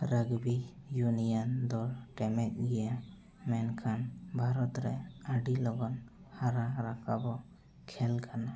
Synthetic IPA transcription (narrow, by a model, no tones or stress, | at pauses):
ɾəɡbijunijand̪ɔɾʈɛmɛt̪̚ɡɛja | mɛnkʰanbʱaɾɔt̪ɾɛaɖilɔɡɔn | haɾaɾakʰabɔ | kʰɛlkʰana